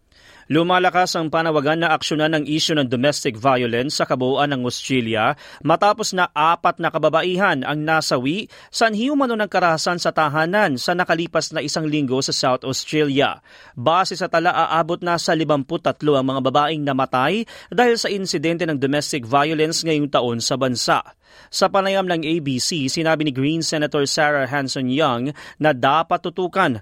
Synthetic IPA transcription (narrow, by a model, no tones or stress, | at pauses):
lʊmaːlɐkasɐŋpaːnɐwɐɡanːɐʔɐkʃonanːɐŋʔiːʃʊnɐŋd̪omɛst̪ɪk̚vajolɛnsːɐkɐbʊuʔɐnːɐŋɐst̪ɹɛljɐmɐt̪aːpo̞snɐʔaːpɐt̪̚nɐkɐbɐbɐʔiːɦɐnʔɐŋnaːsɐwiʔ | sɐʔɐnhiumɐno̞nɐŋkɐɾɐhɐsansɐt̪ɐɦaːnɐnsɐnɐkɐliːpɐsnɐʔɪsaŋliŋɡo̞sɐsawt̪ɐst̪ɾɛljɐ̰ | baːsɛsɐt̪ɐlaʔaʔaːbo̞t̪̚nɐsɐlɪbɐmpʊt̪ːɐt̪lo̞ʔɐŋmɐŋabɐbaːʔɪŋnɐmɐt̪ajd̪aːhɪlsɐʔɪnsɪd̪ɛnt̪ɛnɐŋd̪omɛst̪ɪk̚vajolɛnsŋɐjoŋt̪ɐʔo̞nsɐbɐnsa̰ʔ | sɐpɐnɐjamnɐŋʔejbiːsisɪnaːbinɪɡɾinsɛnɐt̪oɹsaɹɐɦansonjaŋnɐd̪aːpɐt̪ːʊt̪uːkɐn